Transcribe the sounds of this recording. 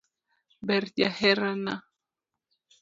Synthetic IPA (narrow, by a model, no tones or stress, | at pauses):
bɛɾd͡ʒahɛɾana